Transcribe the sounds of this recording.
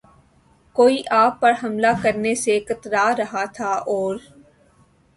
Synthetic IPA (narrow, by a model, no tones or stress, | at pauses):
koːiːʔaːpːɐɾɦɐmlakəɾnesekət̪ɾaːɾɐɦat̪ʰaːʔɔːɾ